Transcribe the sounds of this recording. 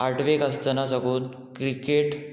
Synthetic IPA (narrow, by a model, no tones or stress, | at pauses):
aʈʋekəst̪ənasaɡuːn | kɾikeʈ